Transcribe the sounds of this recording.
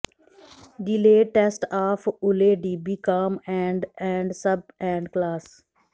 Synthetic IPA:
ɖɪleːʈesʈaːfʰʊleːɖiːbikaːmɛ̃ːɳɖɛ̃ːɳɖsəb̚ɛ̃ːɳɖklaːs

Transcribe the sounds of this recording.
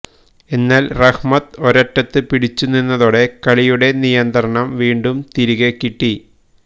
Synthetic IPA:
e̞nːaːlrɐhmɐt̪oɾɐʈːɐt̪ːɨpiɽit͡ɕːuninːɐðoːɽe̞kɐɭijuɽe̞nijɐnd̪ɐɾɐɳɐmʋiːɳɖumt̪iɾiɣekːiʈːi

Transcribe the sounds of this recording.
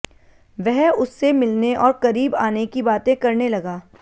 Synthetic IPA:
ʋɛɦʊsːemɪlneʔɔːɾkɐɾiːbaːnekibaːt̪ẽkɐɾnelɐɡaː

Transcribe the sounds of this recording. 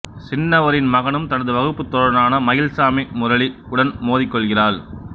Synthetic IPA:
sɪnːɐʋɐɾɪnmɐɣɐnɯmt̪ɐɽɐðɯʋɐɣɯpːɯt̪ːɔɾɐnaːnɐmɐjɪlsaːmimʊɾɐɭi | ʊɽɐnmoːðɪkːɔɭɣɪraːɾ

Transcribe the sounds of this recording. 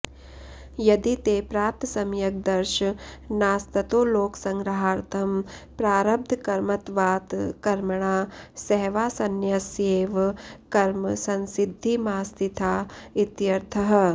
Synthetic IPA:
jɐd̪it̪eːpɾaːp̚t̪ʰɐsɐmjɐk̚d̪ɐɾʃɐnaːst̪ɐt̪oːloːksɐ̃ŋɡɾɐɦaːɾt̪ʰɐmpɾaːɾɐb̚d̪ʱkɐɾmɐt̪ʋaːt̪kɐɾmɐɳ̃aːsɛɦʋaːsɐnjɐseːʋkɐɾmsɐ̃nsɪd̪ʱːimaːst̪it̪ʰaːɪt̪jɐɾt̪ʰɐɦɐ

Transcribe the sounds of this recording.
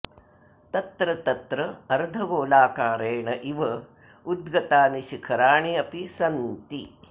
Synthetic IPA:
t̪ɐt̪ɾɐt̪ɐt̪ɾɐɐɾd̪ʱɐɡoːlaːkaːɾeːɳɐʔiʋɐ | ud̪ɡɐt̪aːniʃikʰɐɾaːɳiɐpisɐnt̪i

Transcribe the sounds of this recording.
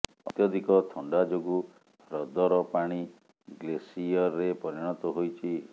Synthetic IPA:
ɔ̰t̪jɔd̪ʱikɔt̪ʰɔɳɖad͡ʒoɡu | ɾɔd̪ɔɾɔpaɽ̃i | ɡlesiɔɾːepɔɾiɽ̃ɔt̪ɔɦojt͡ʃʰi

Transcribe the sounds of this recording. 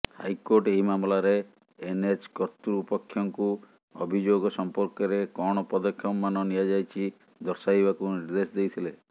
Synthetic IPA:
ha̰jkoɾʈeɦimamlaɾeː | net͡ʃkɔt̪ɾuupɔkʰːjɔŋku | ɔ̰bʱid͡ʒoɡɔsɔmpɔɾkɔɾekɔɽ̃ɔpɔd̪ɔkʰːjɔmːanɔnijad͡ʒajt͡ʃʰi | d̪ɔɾsajbakuniɾd̪esɔd̪ejt̪ʰile

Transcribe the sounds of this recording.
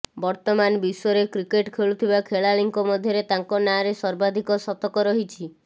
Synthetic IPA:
bɔɾt̪ɔmanbisɔɾekɾikeʈkʰeɭut̪ʰibakʰeɭaliŋkɔmɔd̪ʱjɔɾet̪aŋkɔnaɾesɔɾbad̪ʱikɔsɔt̪ɔkɔɾɔɦit͡ʃʰi

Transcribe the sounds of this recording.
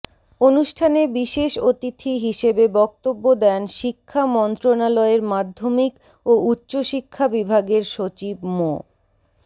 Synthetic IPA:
onuʃʈʰanebiʃeʃot̪it̪ʰiɦiʃebebɔk̚t̪obːod̪ɛnʃikʰːamɔnt̪ɾonalɔeɾmad̪ʱːomik | outːɕoʃikʰːabibʱaɡeɾʃot͡ɕibmo̰

